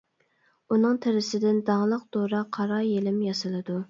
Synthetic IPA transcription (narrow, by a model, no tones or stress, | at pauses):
unɨŋt̪ʰɪɾɪsɪd̪ɪnd̪ɑʁlˠəq̚d̪̥oɾɑqʰɑɾɑjelɪmjɑsɨlˠɨd̪u